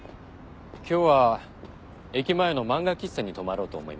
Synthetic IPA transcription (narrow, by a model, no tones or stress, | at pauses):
kʲo̞ːβa | e̞kʲimae̞no̞mãŋɡakʲisːaɲ̟it̪o̞maɾo̞ːt̪o̞̰ːmo̞ḭma